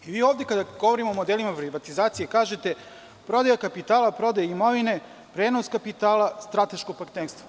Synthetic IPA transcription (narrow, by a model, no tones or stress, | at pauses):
iʋiːoːvd̪je̞kad̪aɡ̥o̞ʋoɾimo̞ːmod̪elimapɾiʋat̪izaːt̪sijekaːʒe̞t̪e̞ | pɾo̞d̪ajakapit̪aːlapɾo̞d̪ajeimo̞ʋine̞ | pɾeːno̞skapit̪aːlˠast̪ɾat̪e̞ʃkoɡ̚paɾt̪neːɾst̪ʋo